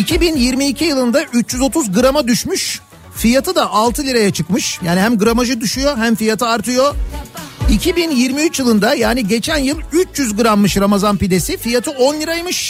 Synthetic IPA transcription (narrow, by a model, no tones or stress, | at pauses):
icʰibinjiɾmiːcʰijɯlˠɯnd̪aʔyt͡ʃjyzo̞t̪ʰuzɡɯɾamad̪yʃmyʃ | fijat̪ʰɯd̪aʔalˠt̪ʰɯlʲiɾajat͡ʃʰɯkmɯʃjaːnihæmɡɯɾamaʒɯd̪yʃujo̞ɦæmfijat̪ʰɯaɾt̪ʰɯjo̞ | icʰibinjiɾmiyt͡ʃjɯlˠɯnd̪ajaːniɟe̞t͡ʃʰænjɯlˠyt͡ʃjyzɡɯɾamːɯʃɾamazanpid̪e̞sifijat̪ʰɯo̞nlʲiɾajmɯʃ